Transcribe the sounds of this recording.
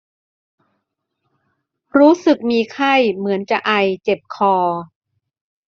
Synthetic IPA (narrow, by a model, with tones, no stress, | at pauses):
ɾuː˦˥sɯ˨˩k̚miː˧kʰa˥˩jmɯ˩˦ənt͡ɕa˨˩ʔa˧˩jt͡ɕe˨˩p̚kʰɔː˧